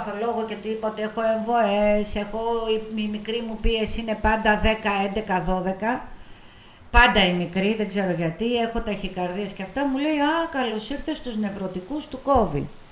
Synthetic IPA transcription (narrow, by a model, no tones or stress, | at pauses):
θolo̞ɣoce̞t̪ipot̪ee̞xo̞e̞ɱvo̞ese̞xo̞iimikɾimupie̞sine̞pɐnd̪ɐðe̞kɐe̞nd̪e̞kɐðo̞ðe̞kɐ | pɐnd̪ɐimikɾiðeɡze̞ɾo̞ʝɐt̪ie̞xo̞t̪ɐçikɐɾðiɐsceɐft̪ɐmule̞iɐkɐlo̞siɾθe̞st̪uzne̞vɾo̞t̪ikust̪uko̞vḭ